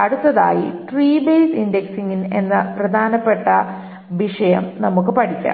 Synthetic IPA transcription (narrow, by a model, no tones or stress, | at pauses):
ɐɽut̪ːɐða̰ːjḭʈriːbeːsindeksiŋːine̞nːɨprɐd̪ʱaːnɐpːe̞ʈːɐ | ʋiʂɐjɐmnɐmukːɨpɐʈʰikʲːa̰